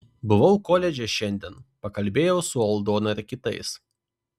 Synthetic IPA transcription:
bʊʋɐʊkoːlʲɛd͡ʒʲɛʃʲɛnʲd̪ʲiːnpɐkɐlʲbʲeːjɛʊsʊɔlˠd̪oːnɐɾʲkʲɪt̪ɐ̰ɪs

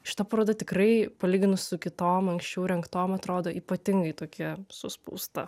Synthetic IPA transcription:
ʃʲɪ̥t̪ɐpɐɾoːd̪ɐt̪ʲɪkɾɐɪpɐlʲiːɡʲɪnʊssʊkʲɪt̪oːmɐŋʲksʲt͡ʃʲɛʊɾʲɛŋkt̪oːmɐt̪ɾoːd̪oːʔiːpɐt̪ʲɪŋɡɐɪt̪oːkʲiɛsʊspṵːst̪ɐ

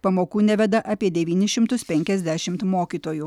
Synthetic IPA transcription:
pɐmoːkuːnʲæʋʲɛd̪ɐʔɐːpʲiɛd̪ʲɛʋʲiːnʲɪʃʲɪmt̪ʊspʲɛŋʲkʲɛzʲd̪ʲæːʃʲɪmt̪moːkʲiːt̪oːju

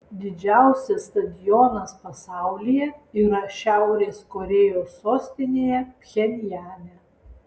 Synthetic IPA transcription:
d̪ʲɪd͡ʒʲæˑʊsʲɛsːt̪ɐd̪ʲɪjɔnɐspɐsɑˑʊlʲɪjɛiːɾɐʃʲæˑʊɾʲeːskɔɾʲeːjoːsːoːsʲt̪ʲɪnʲeːjɛpʲxʲɛnʲjæːnʲɛ

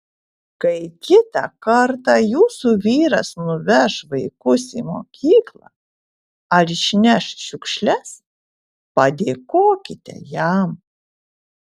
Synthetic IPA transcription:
kɐɪkʲɪt̪ɑ̰kɐɾt̪ɑjuːsuːʋʲiːɾɐsnʊʋʲɛʃʋɐɪkʊsiːmo̰ːkʲiːklˠɑ̰ | ɐɾɪʃʲnʲɛʃʃʲʊkʃʲlʲɛs | pɐd̪ʲeːkoːkʲɪt̪ʲɛ̰jæm

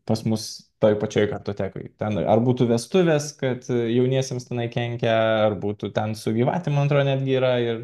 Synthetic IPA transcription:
pɐsmʊst̪oːjpɐt͡ʃʲoːjkɐrt̪oːt̪ʲæːko̰ɪt̪ʲɛnɐ̰rbuːt̪uːʋʲɛst̪ʊʋʲeːskɐt̪jɛʊnʲiɛsʲemst̪ʲɛnɐɪkʲɛŋʲkʲɛɐrbuːt̪uːt̪ʲɛnsʊɡʲiːʋɑ̰ːtʲɪmɐnɐnt̪ɾoːjnʲæːd̪ʲɡʲɪiːɾɐɪr

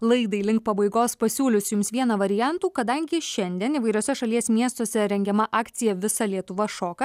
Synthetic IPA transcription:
lˠɐɪd̪ɐɪlʲɪŋkpɐbɐɪɡoːspɐsʲuːlʲʊsʲjʊmsʋʲiɛnɐʋɐɾʲɪjænt̪uːkɐd̪ɐŋʲɡʲɪʃʲɛnʲd̪ʲiɛniʋɐɪɾʲoːsʲɛʃɐlʲiɛsʲmʲiɛst̪oːsʲɛɾʲɛŋʲɡʲɛmɐʔɑːkt̪sʲɪjɛʋʲɪsɐlʲiɛt̪ʊʋɐʃoːkɐ

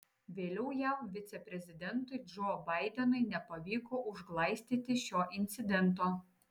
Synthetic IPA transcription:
ʋʲeːlʲɛʊjæˑmʋʲɪt̪sʲɛpʲɾʲɛzʲɪd̪ʲɛnˑt̪ʊɪd͡ʒoːbɐɪd̪ʲɛnɐɪnʲɛpɐʋʲiːkoːʔʊʒɡlˠɐɪsʲt̪ʲiːt̪ʲɪʃʲoːʔɪnʲt̪sʲɪd̪ʲɛnˑt̪̬oː

